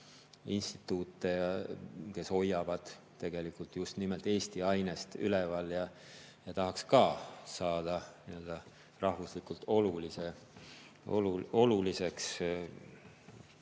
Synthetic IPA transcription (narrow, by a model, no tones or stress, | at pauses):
ḭnst̪i̥t̪ːˑuːt̪ːˑejɑke̞so̞jːɑvɑd̪̥ | t̪ːe̞ɡ̥e̞likult̪ˑjust̪nimelt̪e̞ːst̪iɑjne̞st̪ylevɑljɑ | jɑt̪ɑɦɑkskɑːsɑːd̪̥ɑniø̞ld̪̥ɑ | rɑhvuslikult̪o̞lulise | o̰luo̞lulise̞ks